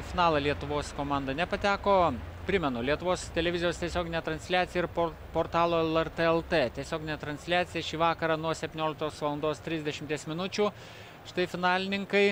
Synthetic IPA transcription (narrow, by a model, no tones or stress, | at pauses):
fʲɪnɑːlˠɐlʲiɛt̪ʊʋoːskoːmɑˑnd̪ɐnʲɛpɐt̪ʲæːkoː | pʲɾʲɪmʲɛnʊlʲiɛt̪ʊʋoːst̪ʲɛlʲɛʋʲɪzʲɪjoːst̪ʲiɛsʲoːɡʲɪnʲɛt̪ɾɐnʲsʲlʲæːt̪sʲɪjɛɪɾpo | poːɾt̪ɑːlˠoːɛlˠɛɾt̪eɛlˠt̪et̪ʲiɛsʲoːɡʲɪnʲɛt̪ɾɐnʲsʲlʲæːt̪sʲɪjɛʃʲiːʋɑːkɐɾɑːnuɔsʲɛpʲtʲɪnʲoːlʲɪk̚t̪oːsʋɐlˠɐnd̪oːst̪ʲɾʲɪzʲd̪ʲɛʃʲɪmʲt̪ʲiɛsmʲɪnʊt͡ʃʲuː | ʃʲɪ̥t̪ɐɪfʲɪnɑːlʲɪnʲɪŋkɐɪ